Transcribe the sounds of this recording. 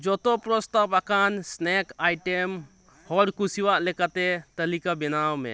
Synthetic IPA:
d͡ʒɔt̪ɔpɾɔst̪apakansnɛkajʈɛm | hɔɽkusiwaʔlɛkat̪ɛt̪əlikabɛnawmɛ̰

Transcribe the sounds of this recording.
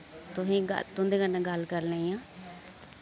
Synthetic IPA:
t̪ʊsĩːɡə̰t̪ʊnd̪eːɡənːãːɡəlkəɾlẽːiːãː

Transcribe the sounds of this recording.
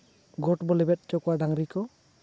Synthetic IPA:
ɡɔʈbɔlɛbɛt̚t͡ʃɔkwadaŋɾikɔ

